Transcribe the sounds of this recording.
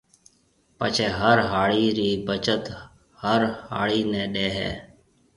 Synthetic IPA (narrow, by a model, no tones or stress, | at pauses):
pət͡ʃʰeːɦəɾɦaːɭiːɾiːbət͡ʃət̪ | həɾha̰ːɭiːnẽːɗeːɦḛː